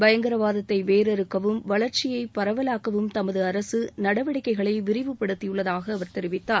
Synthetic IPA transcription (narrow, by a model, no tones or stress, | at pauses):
bɐjɐŋɡɪɾɐʋaːðɐt̪ːɐɪʋeːɾɛɾɯkːɐʋɯmʋɐɭɐɾt͡ʃɪjɐɪpːɐɾɐʋɐlaːkɐʋɯmt̪ɐmɐðɯɐɾɐsɯnɐɽɐʋɪɽɐɪkːɐɪɣɐɭɐɪʋɪɾɪʋɯpːɐɽɯt̪ːɪjɯɭːɐðaːɣɐːʋɐɾt̪ɛɾɪʋɪt̪ːaː